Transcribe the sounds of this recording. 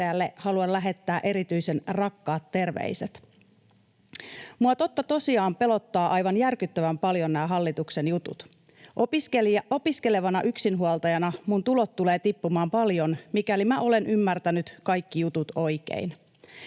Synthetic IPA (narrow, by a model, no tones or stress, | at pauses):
eælːe̞hɑluɑnlæɦe̞t̪ːæːʔe̞ɾit̪yjse̞nrɑkːɑːt̪ːe̞rʋḛise̞t̪ | muɑt̪o̞t̪ːɑt̪o̞siɑːmpe̞lo̞t̪ːɑːʔɑjʋɑnjærkyt̪ːæʋæmpɑljo̞nnæːɦɑlːit̪ukse̞njut̪ṵt̪ | ʔopiselo̞piske̞le̞ʋɑnɑʔyksinɦuɑlt̪ɑjɑnɑmunt̪ulo̞t̪ːule̞ːt̪ipːumɑːmpɑljonmikælimæʔo̞le̞nʔymːært̪ænyt̪kɑjkːijut̪ut̪o̞jk̟ḛin